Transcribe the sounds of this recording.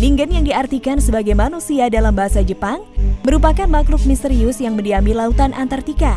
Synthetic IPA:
diŋɡənjaŋdiart̪ikansəbaɡajmanusiadalambaɦasad͡ʒəpaŋməɾupakanmaklʊk̚mist̪eɾiʊsjaŋməndiamilaut̪anʔant̪art̪ika

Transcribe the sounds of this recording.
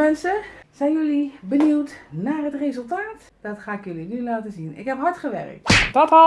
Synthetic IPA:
mɛnsəz̥ɛjnjɵlibəniwtnaːrɦətrezəlˠtaːt | d̥ɑtχaːɪkjɵlinylaːtəzinɪ̰kɦɛpɦɑɹtχəʋɛ̰rə̰k̚tdɑta

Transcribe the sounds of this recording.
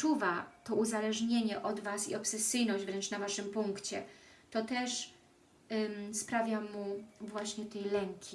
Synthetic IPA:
t͡ʂuvat̪ɔuzalɛʐɲeɲɛʔɔd̪vasḭɔpsɛsɘjnɔʑd͡ʑvɾɛnt͡ʂnavaʂɘmpuŋkt͡ɕɛ | t̪ɔt̪ɛʂ | spɾavʲjamuvwaɕɲɛt̪ɛjlɛŋkʲʰi

